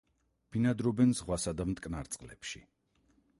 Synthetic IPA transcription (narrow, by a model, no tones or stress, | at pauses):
b̥inad̪ɾɔbɛnzʁwasad̪amt̪ʼkʼnaɾt̪sʼqʼlɛpʃi